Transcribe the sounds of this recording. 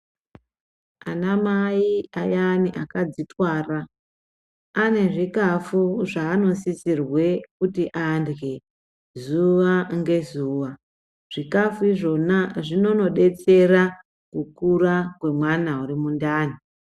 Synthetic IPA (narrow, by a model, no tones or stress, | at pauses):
a̰namaiajaniʔakad͡zitwaːra | ane̞ʐikafuʐaːno̞sisirwe̞kutiʔandɡe̞ | zuʋaŋɡe̞zuːʋa | ʐ̥ikafuiʐo̞naʐino̞no̞ɗe̞t͡se̞ra | kukuɾakwe̞mwanauɾimundaːni